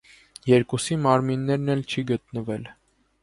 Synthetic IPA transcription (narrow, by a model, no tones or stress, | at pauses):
jɛɾkusimɑɾminːɛɾnɛlt͡ʃʰiɡət̪nəvɛl